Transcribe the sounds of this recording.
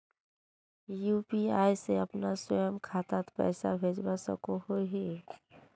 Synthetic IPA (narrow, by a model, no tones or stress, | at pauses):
juːpiaːjseəpnaswəjəmkʰaːt̪at̪pɛ̰ːsabʱeːd͡ʒbasə̰kohoɦe